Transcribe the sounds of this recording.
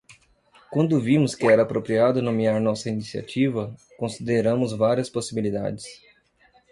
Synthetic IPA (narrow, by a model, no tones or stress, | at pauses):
kwɐ̃nd̪ʊvĩmʊskɪɛɾɐapɾopɾiad̪ʊnõmiaɾnɔsɐinisia̰t͡ʃivɐ | kõsid̪eɾɐ̃mʊzvaɾiɐsposibilid̪a̰d͡ʒɪs